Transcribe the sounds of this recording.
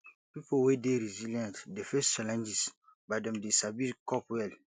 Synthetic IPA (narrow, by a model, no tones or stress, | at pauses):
pipowedeɾiziljãntdefɛst͡ʃalɛ̃nd͡ʒis | badɛ̃mdesabilkɔpwɛl